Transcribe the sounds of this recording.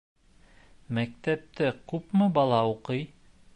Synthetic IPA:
mæk̚t̪æp̚t̪ɘkʉpmɤbɑlˠɑuqɤj

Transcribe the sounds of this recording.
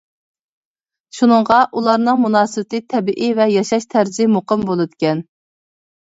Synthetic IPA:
ʃunɨŋʁɑʔulˠɑɾnɨŋmunɑːsɨwɪt̪ɪt̪ʰɛbiʔivɛjɑʃɑʃt̪ʰæɾzimoqəmbolˠɨd̪ɪkʲɛn

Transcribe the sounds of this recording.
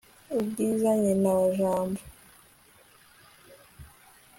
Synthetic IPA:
ubɡiːzaɲenawaʒaːmbo

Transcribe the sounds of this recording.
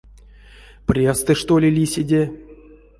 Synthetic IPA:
prʲest̪ɨʂt̪olʲɪlʲisʲɪdʲe

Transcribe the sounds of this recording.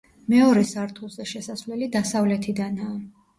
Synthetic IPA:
mɛɔɾɛsaɾt̪ʰulˠzɛʃɛsasvlɛlid̪asavlɛt̪ʰid̪anaː

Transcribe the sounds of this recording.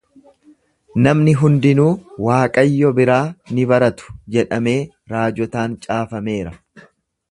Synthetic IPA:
nɐmnɪɦʊnd̪ɪnuːwaːkʼɐjːɔbɪɾaːnɪbɐɾɐt̪ʊ̥d͡ʒɛᶑɐme̞ː | ɾaːd͡ʒɔt̪aːnt͡ʃʼaːfɐme̞ːɾɐ

